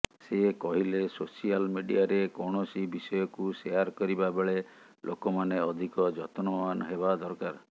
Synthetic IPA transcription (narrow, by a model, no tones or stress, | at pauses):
sekɔɦilesosialmiɖiaɾekɔɳ̃ɔsibisɔjɔkusejaɾkɔɾibabeɭe | lʔokɔmaneɔd̪ʱikɔd͡ʒɔt̪nɔanɦeβad̪ɔɾkaɾ